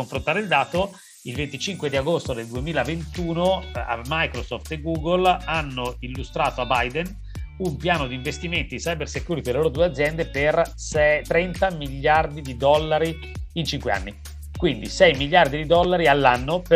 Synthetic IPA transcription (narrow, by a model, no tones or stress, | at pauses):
oɱfɾont̪aːɾeild̪aːt̪o | ilvent̪it͡ʃiŋkwed̪iaɡost̪od̪eld̪uemiːlavent̪uːnoa̰mːajkɾosɔft̪eɡuːɡolanːoilːust̪ɾaːt̪oabajd̪en | umpjaːnod̪iːɱvest̪iment̪iisajbersekjuɾit̪ieleloːɾod̪uːead̪zːjɛnd̪eper | sɛt̪ɾɛnt̪amiʎːard̪id̪id̪ɔlːaɾiː | nt͡ʃiŋkwea̰nːi | kwind̪isɛjmiʎːard̪id̪id̪ɔlːaɾialːanːop